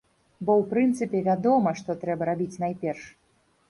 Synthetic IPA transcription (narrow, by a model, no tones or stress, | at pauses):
bɔwpɾɨnt̪sɨpʲɛvʲad̪ɔmɐʂt̪ɔt̪ɾɛbɐɾabʲit͡sʲnajpʲɛrʂ